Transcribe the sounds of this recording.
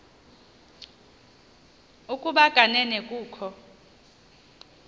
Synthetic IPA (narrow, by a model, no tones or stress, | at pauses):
ukʼuɓaɡ̥ʱanɛnɛkʼuːkʰɔ